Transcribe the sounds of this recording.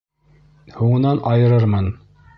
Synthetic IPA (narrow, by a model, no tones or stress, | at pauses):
huɴɤ̆nɑnʔɑjɤ̆ɾɤɾmɤn